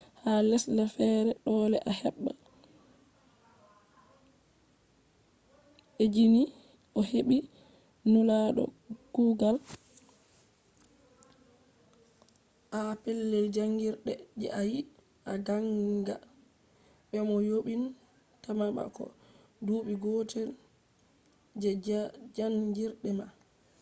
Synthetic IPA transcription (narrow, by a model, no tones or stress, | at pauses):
halɛslafɛɾɛɗɔːlɛʔahɛɓːa | ʔed͡ʒini | ʔɔheɓi | nulaɗɔ̰ | ɡ̥uːɡal | ʔapɛlːɛld͡ʒaŋɡiɾɗɛd͡ʒɛ̰ʔaji | aɡaŋɡa̰ | ɓɛmɔjoɓin | tamaɓa̰kɔ̰ | duːɓiɡɔtɛl | d͡ʒaŋɡiɾɗɛma